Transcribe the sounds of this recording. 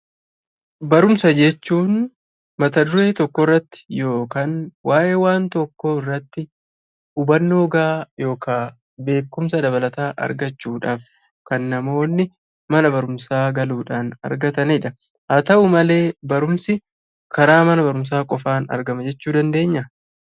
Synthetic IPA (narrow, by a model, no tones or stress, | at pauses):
bɐɾʊmsɐd͡ʒɛt͡ʃːuːn | mɐt̪ɐd̪ʊɾe̞ːt̪ɔkːɔɪrːɐt̪ːɪ̥jo̞ːkaːnwaːʔeːwaːnt̪ɔkːoːɪrːɐt̪ːɪ | ʊbɐnːoːɡaːjo̞ːkʰaː | be̞ːkːʊmsɐd̪ɐbɐlɐt̪aːʔɐ̰ɾɡɐt͡ʃːuːᶑaːf | kɐnːɐmo̞ːnːɪ | mɐnɐbɐɾʊmsaːɡɐluːᶑaːnɐ̰ɾɡɐt̪ɐnɛᶑɐ | hɐt̪ɐʔʊmɐle̞ːbɐɾʊmsɪ | kɐɾaːmɐnɐbɐɾʊms̬aːkʼɔfaːnɐ̰ɾɡɐmɐd͡ʒɛt͡ʃːuːd̪ɐnd̪e̞ːɲːɐ